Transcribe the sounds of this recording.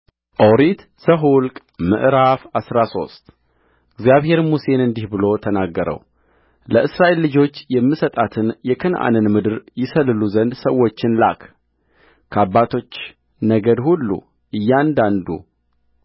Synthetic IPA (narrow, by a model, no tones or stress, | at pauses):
ʔoɾit̪ | səɦulkʼ | mɨ̰ʔɾafasɾaso̞̰st̪ | ʔɨɡzijaβhe̞ɾmuse̞nɨnd̪ihbɨlo̞t̪ʰənaɡːəɾə̰w | ləʔɨsɾaʔe̞lːɨd͡ʒo̞t͡ʃːjɛmːɨsət̪ʼat̪ʰɨnjɛkʰɨnʔa̰nɨnmɨd̪ɨɾjɪsəlːɨluzənd̪səwːo̞t͡ʃːɪnla̰kʰ | kʰəabːat̪ʰo̞t͡ʃː | nəɡəd̪hulːṵ | ʔɨjːand̪and̪ṵ